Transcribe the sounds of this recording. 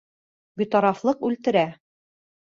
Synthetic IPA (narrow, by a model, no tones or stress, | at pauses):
bit̪ɒɾɑflˠɤqʉlt̪ɘ̆ɾæ